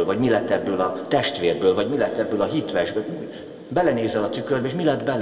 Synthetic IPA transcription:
lvɒɟmilɛt̪ːɛbːøːlɒt̪ɛʃt̪ʋeːrbøːlvɒɟmilɛt̪ːɛbːøːlɒɦit̪ʋɛʒɡøt̪mi | bɛlɛneːzɛlɒt̪ykørbɛeːʃmilɛd̪bɛl

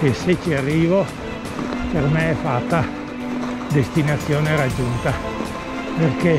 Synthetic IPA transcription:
keset͡ʃːiarːiːvo | permeɛfat̪ːa | d̪est̪inat̪sːjoːneɾad͡ʒunt̪a | perke

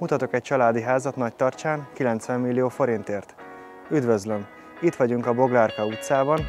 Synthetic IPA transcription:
mut̪ɒt̪o̞kɛc̚t͡ʃɒlaːd̪iɦaːzɒt̪nɒc̚t̪ɒrt͡ʃaːŋkilɛnt̪sʋɛmːilːijoːfo̞ɾint̪eːrt̪ | yd̪ʋø̞zlø̞m | it̪ʋɒɟuŋkɒbo̞ɡlarkɒut̪saːbɒn

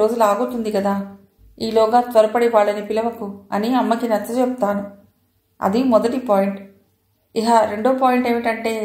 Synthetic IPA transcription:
o̞ːd͡ʒulaːɡut̪und̪ikɐd̪aː | iːlɔːɡaːt̪ʋɐɾɐpɐɽiʋaːɭːɐnipilɐʋɐkuɐniɐmːɐkinɐt͡ʃːɐt͡ʃɛput̪aːnu | ɐ̰d̪imɔd̪ɐʈipaːjiɳʈ | iɦaɾe̞ɳɖoːpaːjiɳʈe̞ːmiʈɐɳʈe̞ː

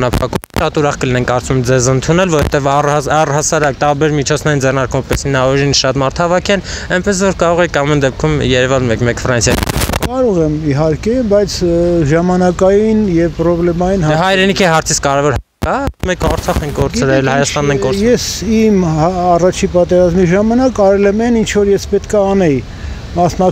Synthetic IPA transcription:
nɑpʰɑkumʃɑt̪uɾɑχkəlinɛŋkːɑɾt͡sumɛmd͡zɛzənt̪ʰunɛlvɔɾvɛ̰t̪ɛvɑrɑɑrhɑsɑɾɑkt̪ɑɾbɛɾmit͡ʃʰɔt͡sʰnɛɾind͡zɛrnɑɾkumɛpɛsinɑɔɾinʃɑt̪mɑɾt̪ʰɑvɑkʰɛlɛnpɛsvɔɾkɑɾɔʁɛkɑmɛnd̪ɛp̚kʰumjɛɾɛvɑnmɛkmɛkfəɾɑnsjɑjḭkɑɾɔʁɛmiɦɑɾkɛbɑjt͡sʰʒɑmɑnɑkɑjinjɛvpɾɔblɛmɑjinhɑɦɑjɾɛnikʰiɦɑɾt͡sʰit͡sʰkɑɾɛvɔɾɦɑ | kɑmɛkʰɑɾt͡sʰɑχɛŋkkɔɾt͡sʰɾɛlhɑjɑst̪ɑnːɛŋkkɔɾjɛsimɑrɑt͡ʃʰipɑt̪ɛɾɑzmiʒɑmɑnɑkɑɾɛlɛmɛnint͡ʃʰvɔɾjɛspɛt̪kʰɑɑnɛj | mɑsnɑ

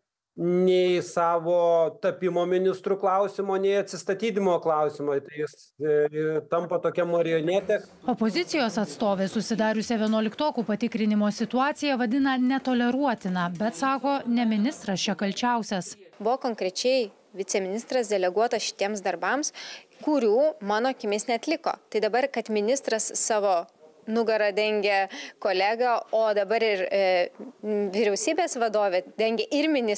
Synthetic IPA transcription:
nʲɛɪsɑːʋoːt̪ɐpʲɪmoːmʲɪnʲɪst̪ɾuklˠɐʊsʲɪmoːnʲɛɪɐt̪ʲsʲɪst̪ɐt̪ʲiːd̪ʲɪmoːklˠɐʊsʲɪmoɪt̪ɐɪjɪs | t̪ɐmpɐt̪oːkʲɛmɐɾʲɪoːnʲeːt̪ʲɛ | ɔpozʲɪt̪sʲɪjoːsɐt̪st̪oːʋʲeːsʊsʲɪd̪ɑːɾʲʊsʲɛʋʲiɛnuɔlʲɪkt̪oːkʲuːpɐt̪ʲɪkɾʲɪnʲɪmoːsʲɪt̪uɑːt̪sʲɪjɛʋɐd̪ʲɪnɐnʲɛt̪oːlʲɛɾuɔt̪ʲɪnɑːbʲɛt̪sɑːkoːnʲɛmʲɪnʲɪst̪ɾɐst͡ʃʲɛkɐlʲt͡ʃʲɛʊsʲɛsbʊʋoːkoːŋkɾʲɛt͡ʃʲɛɪ | ʋʲɪtt͡s̪ʲɛmʲɪnʲɪst̪ɾɐsd̪ʲɛlʲɛɡuɔt̪ɐsʃʲɪ̥t̪ʲiɛmsd̪ɐɾbɐmskʊɾʲuːmɑːnoːkʲɪmʲeːsnʲɛɐt̪ʲlʲɪko̰ːt̪ɐɪd̪ɐbɐɾkɐt̪mʲɪnʲɪst̪ɾɐsːɑːʋoː | nʊɡɐɾɐd̪ʲɛŋʲɡʲɛkoːlʲæːɡɐoːd̪ɐbɐɾɪɾ | ʋʲɪɾʲɛʊsʲiːbʲeːsʋɐd̪oːʋʲed̪ʲɛŋʲɡʲɛʔɪɾmʲɪnʲɪ

